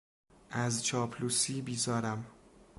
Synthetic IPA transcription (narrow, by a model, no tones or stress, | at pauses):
ʔæzt͡ʃʰɒːpʰlusiːbiːzɒːɾæm